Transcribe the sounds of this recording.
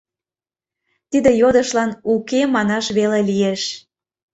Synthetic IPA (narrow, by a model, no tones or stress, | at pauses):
t̪id̪ejod̪əʃlɑnukemɑnɑʃβelelijeʃ